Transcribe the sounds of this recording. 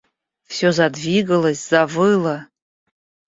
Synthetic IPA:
fsʲozadvʲiɡələsʲz̥avɨla

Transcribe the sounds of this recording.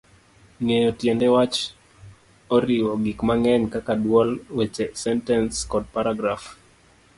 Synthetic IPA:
ŋejɔtjɛndɛwat͡ʃ | oɾɪwɔɡɪkmaŋɛɲkakadwɔlwet͡ʃɛsɛntɛnskɔd̚paɾaɡɾaf

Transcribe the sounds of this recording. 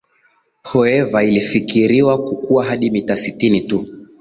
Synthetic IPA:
hɔɛvailifikiɾiwakukuaɦaɗimitasitinitu

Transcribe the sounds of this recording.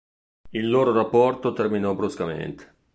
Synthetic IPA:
ilːoːɾorapːɔrt̪ot̪erminɔbɾuskamḛnt̪e̥

